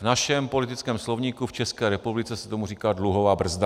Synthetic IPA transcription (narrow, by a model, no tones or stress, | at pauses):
vnaʃɛmpo̞lɪt̪ɪt͡skɛːmslovɲiːkuft͡ʃɛskɛːɾɛpublɪt͡sɛsɛt̪o̞muriːkaːdluɦovaːbr̩zda